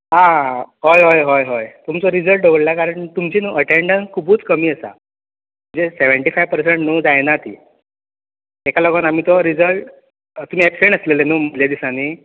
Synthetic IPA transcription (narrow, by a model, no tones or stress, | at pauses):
ɦãɦojɦɔjɦojɦojt̪umt͡sɔɾid͡zəlʈ̚ɖoɡəɽlakaɾəɳt̪umt͡ɕiːnuːʔəʈeɳɖənskʰubuːt͡skəmiːəsa̰ | m̤əɳd͡zeseʋəɳʈifajʋpəɾseɳʈnuːd͡zajnat̪ʰḭː | t̪ekaləɡənam̤iːt̪ɔɾid͡zəlʈ | t̪um̤iːɛpseɳɖəslelenuːm̤əljad̪isane